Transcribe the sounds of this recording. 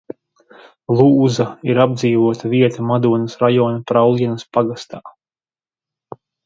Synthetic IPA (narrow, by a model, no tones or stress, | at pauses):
lˠuːzaiɾab̚d̪ziːvuɔt̪ʰaviɛt̪amad̪uɔnɐsɾajɔːnapɾawlʲiɛnɐspaɡast̪aː